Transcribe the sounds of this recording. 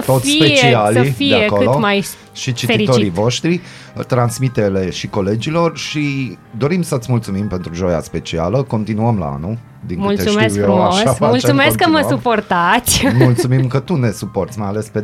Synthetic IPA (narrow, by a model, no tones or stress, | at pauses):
t̪ot̪fsipet͡ʃeialəfideaekoɨlomaj | ʃit͡ʃiteiɾioiɾivoʃt̪ɾi | t̪ɾansmit̪ele̞ʃiko̞le̞d͡ʒilo̞rʃi | d̪o̞ɾimsət̪smult̪sumimpe̞nt̪ɾuʒo̞ja̰spe̞t͡ʃia̰ləko̞nt̪inuəmla̰a̰nu | d̪iŋmkɨult̪esumeskjfɾumaoʃsaaultsumekəməsuport̪at̪sʲmult̪sumimkət̪une̞suport̪sʲmajalespe